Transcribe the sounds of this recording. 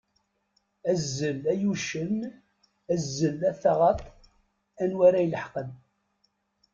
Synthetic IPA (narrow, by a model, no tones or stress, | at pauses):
æzːəlæjuʃən | æzːəlæθɑʁɑt̪ˤ | ænwæɾæjləħqən